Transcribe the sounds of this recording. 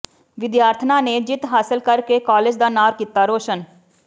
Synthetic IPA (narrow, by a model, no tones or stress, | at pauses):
ʋɪd̪jaːɾt̪ʰnãːneːd͡ʒɪt̪ɦaːsɪlkəɾkeːkaːled͡ʒd̪aːnaːɾkiːt̪aːɾoːʃən